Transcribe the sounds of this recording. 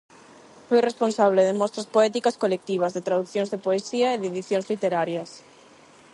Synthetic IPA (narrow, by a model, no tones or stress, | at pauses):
fojresponsaβ̞leðemɔst̪ɾaspoɛt̪ikaskolek̚t̪iβ̞ɐzðet̪ɾaðuθjõnzðepoesiɐeðeðiθjonzlit̪eɾaɾjɐs